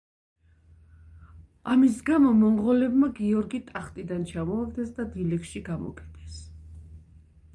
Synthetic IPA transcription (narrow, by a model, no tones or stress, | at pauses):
amis̬ɡamɔmɔmʁɔlɛbmaɡiɔɾɡit̪ʼaχt̪ʼid̪ant͡ʃʰamɔaɡd̪ɛsd̪ad̪ilɛkʃiɡamɔ̰kʼɛd̪̥ʰɛs